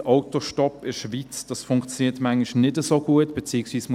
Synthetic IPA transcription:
ʔɔʊtoʃtɔpɪʃvit͡sd̥ɑsfʊŋkt͡sjoniːtmaŋɪʃnɪdəzoːɡuətb̥et͡siːɪksʋiːsm

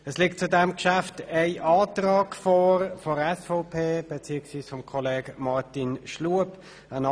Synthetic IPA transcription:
əslik̚t̚t͡sudɛmkʃaftaɪʔɑːt̪rɑːɡ̥fɔːɾfɔɾɛsfɔʊpʰeːb̥et͡siːəksʋiːsfɔmkʰɔleːɡ̥mɑrtinʃluəp | ən

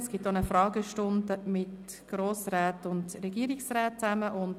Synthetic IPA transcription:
sɡ̥ɪtonəfɾɑːɡəʃtʊnd̪əmɪt | ɡ̥roːsɾaːtʊndɾɛɡ̥iəɾiksraːt̚t͡sæməʔʊnd

